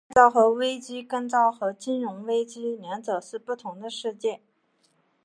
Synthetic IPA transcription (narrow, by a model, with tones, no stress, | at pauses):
t͡sɑ˥˩ʊxɤ˧˥we˥ɪt͡ɕi˥kə˥˧nt͡sɑ˥˩ʊxɤ˧˥t͡ɕi˥nɻʊ˧˥ŋwe˥ɪt͡ɕi˥ljɛ˧˥nt͡sɤ˨˩ʂɻ̩˥˧pu˥˩t̪ʰʊ˧˥ŋd̪ə˧ʂɻ̩˥˧t͡ɕjɛ˥˩